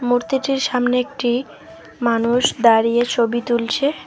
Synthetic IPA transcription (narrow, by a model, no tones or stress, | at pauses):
muɾt̪iʈiɾʃamneek̚ʈi | manuʃd̪aɾijet͡ɕʰobit̪ult͡ɕʰe